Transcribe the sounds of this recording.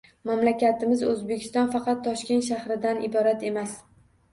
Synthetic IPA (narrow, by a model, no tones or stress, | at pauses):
mamlakʲat̪ʰɪmɪzɵzbekʲʰɪ̥st̪ɒnfɑqʰɑt̪ʰːɒʃkʲe̞nt̪ʃ̬ahɾɪd̪anɪbɒɾat̪ʰe̞mas